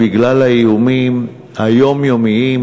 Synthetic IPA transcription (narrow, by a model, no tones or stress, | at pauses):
iɡlalaiumim | hajo̞mjo̞mii